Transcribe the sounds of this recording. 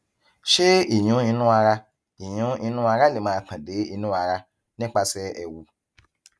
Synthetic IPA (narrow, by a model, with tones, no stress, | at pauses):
ʃe˦i˨j̃ũ˨˦ĩ˧nũ˦a˧ɾa˧ | i˨j̃ũ˨˦ĩ˧nũ˦a˧ɾa˦le˨mãː˧˦kã˨de˨˦i˧nũ˦a˧ɾa˧ | nĩ˦k͡pa˧sɛ˦ɛ˨wu˨˦